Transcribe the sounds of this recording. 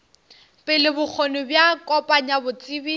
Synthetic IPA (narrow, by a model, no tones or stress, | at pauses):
pʼɪlɪbʊk͡xʰonʊbjakʼɔpʼaɲabʊt͡sʼibi